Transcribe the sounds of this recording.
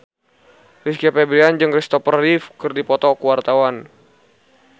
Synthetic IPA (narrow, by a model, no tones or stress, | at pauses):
riskiapɛbɾiand͡ʒɨŋrist̪ɔpərːifkɨrdipɔt̪ɔkəwart̪awan